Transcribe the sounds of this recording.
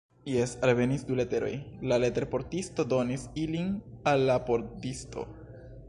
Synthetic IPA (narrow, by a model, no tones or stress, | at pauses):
jesalve̞nisdulete̞ɾo̞̰jlale̞teɾpo̞ɾtisto̞do̞nisilinalːapo̞ɾtisto̞̰